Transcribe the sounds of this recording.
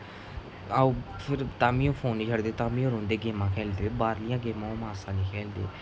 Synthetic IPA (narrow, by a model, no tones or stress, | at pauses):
auːpʰɪɾt̪aːmĩːõːpʰoːniːt͡ʃʰəɽd̪eːt̪aːmĩːõːɾõːnd̪eːɡeːmãːkʰɛːld̪eːbaːɾlɪjãːɡeːmãõːmaːsãːniːkʰɛːld̪ḛː